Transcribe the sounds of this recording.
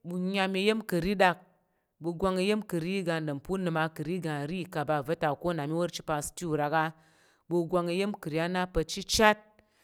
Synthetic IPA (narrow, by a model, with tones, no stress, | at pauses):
bu˧ɲa˧mʲi˧˦je˦mkɨ˨ɾi˦da˧k̚ | bu˧ɡʷa˧ŋe˧je˦mkɨ˨ɾi˦ɡa˧˨nɨ˨m˨pu˦nɨ˧ma˧kɨ˨ɾi˦ɡa˧˨ɾi˦˨ka˨ba˧˨vɐ˦ta˨ko˦˨na˨mi˦wo˦ɾt͡ʃi˦pa˧˨sti˦u˨ɾa˨˧ka˦ | bu˧ɡʷa˧ŋe˧je˦mkɨ˨ɾi˨˦a˦na˦pɐ˧t͡ʃi˦t͡ʃa˦t̚